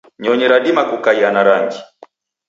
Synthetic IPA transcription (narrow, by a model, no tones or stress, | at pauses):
ɲɔɲɛɾaɗimakukaianaɾaŋɡi